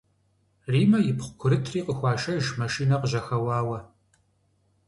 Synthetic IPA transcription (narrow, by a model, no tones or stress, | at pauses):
riːmɐjɪpχʷkʷʰʊɾɨtʰriːqʼəxʷɑːʃɐʒmɐʃiːnɐqəʑɐxɐwɑːwɐ